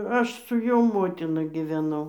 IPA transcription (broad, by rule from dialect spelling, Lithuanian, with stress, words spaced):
ˈɐʃ sʊ ˈjoː ˈmoːtʲɪnɐ ɡʲɪʋʲɛˈnɐʊ